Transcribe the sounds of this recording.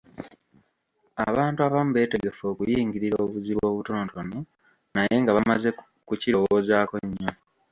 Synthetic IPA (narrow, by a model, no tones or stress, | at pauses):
a̰βaːntuaβamuβe̞ːte̞ɡe̞fo̞ːkujiːŋɡiɾiɾoːβuziβo̞ːβuto̞ːntono | naje̞ŋɡaβamaze̞ | kuciɾowo̞ːzaːko̞ɲːo